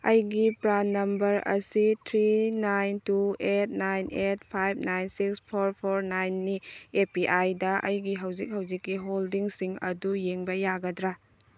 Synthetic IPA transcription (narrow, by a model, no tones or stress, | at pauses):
ɐjɡipɾanːɐmbɐɾɐ̰sitʰɾinajntuet̚najnʔet̚pʰajb̚ʱnajnsikspʰoɾpʰoɾnajnːiepiʔajdɐɐ̰jɡiɦɐwzik̚hɐwzikːiɦoldiŋsiŋɐ̰dujeŋbɐjaɡɐdɾa